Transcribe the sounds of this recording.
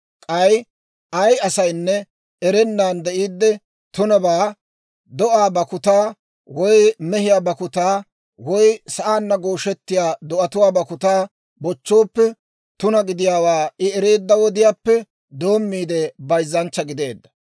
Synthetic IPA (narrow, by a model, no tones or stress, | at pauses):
kʼɐj | ʔɐjɐsɐjnːɛ | ɛɾɛnːaːnd̪ɛʔiːd̪ːɛ | t̪ʊnɐbaː | d̪ɔʔaːbɐkʊt̪aː | wɔjmɛɦɪjaːbɐkʊt̪aː | wɔjsɐʔaːnːɐɡoːʃɛt̪ːɪjaːd̪ɔʔɐt̪ʊwaːbɐkʊt̪aː | bɔt͡ʃːo̞ːpːɛ | t̪ʊnɐɡɪd̪ɪjaːwaːɪɛɾe̞ːd̪ːɐwɔd̪ɪjaːpːɛ | d̪oːmːiːd̪ɛbɐjzːɐnt͡ʃːɐɡɪd̪eːd̪ːɐ̥